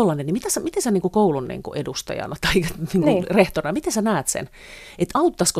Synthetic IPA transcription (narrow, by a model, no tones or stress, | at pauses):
olːɑnenimit̪æsæmit̪esæniːŋkukoulunːnḭːŋkṵʔedust̪ɑ̰jɑ̰nɑt̪ɑikniːŋunreht̪ornɑmit̪ensænæːt̪sḛn | et̪ɑut̪ːɑsko